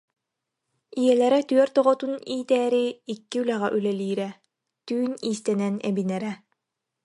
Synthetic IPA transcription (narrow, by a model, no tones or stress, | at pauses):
ijɛlɛɾɛt̪yœɾt̪ɔʁɔt̪uniːt̪ɛːɾiːkːiylæʁɛʔylɛliːɾɛ | t̪yːniːst̪ɛnɛnɛ̰binɛɾɛ